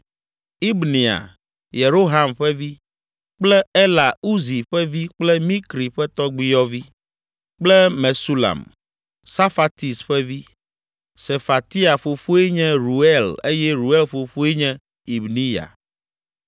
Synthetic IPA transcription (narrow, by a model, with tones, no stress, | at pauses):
i˦bni˨a̰˨ | je˨ɾo˦ɦa˦mɸɛ˦vi˦ | k͡plɛ˦ɛ˦la˨u˦zi˨ɸɛ˦vi˦k͡plɛ˦mĩ˦kɾi˨ɸɛ˦t̪ɔ˦ɡ͡bi˦jɔ˦vi˦ | k͡plɛ˦me˨su˦la̰˨m | sa˦fa˨t̪i˨sɸɛ˦vi˦ | se˨fa˨t̪i˦a˨fo˨fo˦ɛ˦ɲɛ̃˦ɾu˨ɛ˦le˦jɛ˦ɾu˨ɛ˦lfo˨fo˦ɛ˦ɲɛ̃˦ | i˨bnĩ˦ja̰˨